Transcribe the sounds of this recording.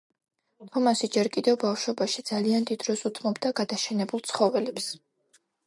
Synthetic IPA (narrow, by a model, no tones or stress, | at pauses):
t̪ʰɔmasid͡ʒɛɾkʼid̪ɛvbafʃɔbaʃid̪zaliand̪id̪ɾɔsut̪ʰmɔbd̪aɡad̪aʃɛnɛbulˠt̪sʰχɔvɛlɛps